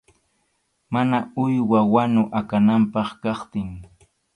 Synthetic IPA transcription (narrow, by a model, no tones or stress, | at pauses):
manaʊjwawanʊʔakanampɑχkɑχt̪ɪŋ